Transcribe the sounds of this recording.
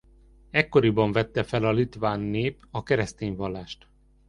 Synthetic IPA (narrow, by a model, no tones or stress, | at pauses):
ɛkːo̞ɾibɒɱvɛt̪ːɛfɛlɒlit̪ʋaːnːeːpɒkɛɾɛst̪eːɲvɒlːaːʃt̪